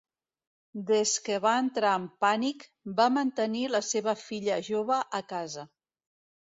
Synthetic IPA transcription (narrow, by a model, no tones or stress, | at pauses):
d̪ezkəβaənt̪ɾaəmpanik | bamənt̪əniləseβəfiʎəʒoβ̞əʔəkazə